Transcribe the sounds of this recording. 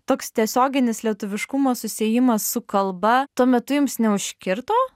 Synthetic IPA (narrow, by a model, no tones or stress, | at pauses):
t̪oːkst̪ʲiɛsʲoːɡʲɪnʲɪslʲiɛt̪ʊʋʲɪʃkʊmoːsʊsʲeːjɪmɐsːʊkɐlˠbɐt̪uɔmʲɛt̪ʊjɪmsnʲɛʊʃʲkʲɪɾt̪oː